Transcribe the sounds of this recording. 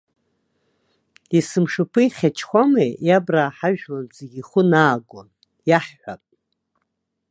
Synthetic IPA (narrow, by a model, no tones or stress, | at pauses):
isɨmʂɨpʰɨiχʲat͡ʃʰxʷamejjabraːħaʒᶣwand͡zeɡʲiχʷʊnaːɡon | jaħħʷa̰pʼ